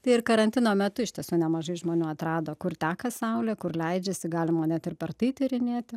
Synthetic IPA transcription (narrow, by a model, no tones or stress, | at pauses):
t̪ɐɪɪrkɐɾɐnʲt̪ʲɪnoːmʲɛt̪ʊɪʃtʲiɛsʲuːnʲɛmɐʒɐɪʒmoːnʲuːɐt̪ɾɑːd̪oːkʊrt̪ʲæːkɐsɐʊlʲɛkʊrlʲɛɪd͡ʒʲɛsʲɪɡɑːlʲɪmoːnʲɛt̪ɪrpɐrt̪ɐɪt̪ʲɪɾʲɪnʲeːt̪ʲɪ